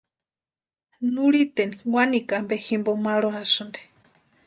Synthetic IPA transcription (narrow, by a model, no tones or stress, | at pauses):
nuɾit̪eniwanikambehimbomaɺoasund̪e̥